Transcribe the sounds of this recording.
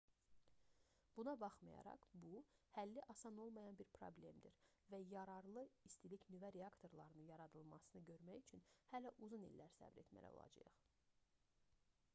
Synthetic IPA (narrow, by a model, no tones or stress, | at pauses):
b̥unɑbɑχmɑjɑ̰ɾɑ̰χbuhælːiʔɑsɑno̞lˠmɑjɑnbiɾpʰɾo̰blʲe̞md̪iɾvæjɑɾɑɾlˠɯist̪ilicnyvæɾeɑkt̪ʰo̞ɾlˠɑɾɯnɯnjɑɾɑd̪ɯlˠmɑsɯnɯɟø̞ɾmæjyt͡ʃʰynhælæʔuzunḭlːæɾsæ̰bɾe̞t̪mæ̰jæ̰o̰lˠɑ̰d͡ʒɯ̰jɯχ